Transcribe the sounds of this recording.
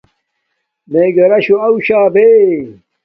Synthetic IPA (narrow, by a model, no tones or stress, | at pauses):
meːɡɐɾɐɕoɐuɕaːbe